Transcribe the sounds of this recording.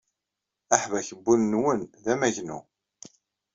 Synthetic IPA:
aħvæçəbːunːwənðæmæʝnṵ

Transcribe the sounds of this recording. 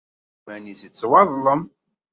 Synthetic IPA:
mæniθət͡sːwɑðˤləm

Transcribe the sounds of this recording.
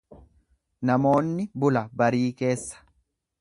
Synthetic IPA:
nɐmo̞ːnːɪbʊlɐbɐɾiːke̞ːsːɐ̥

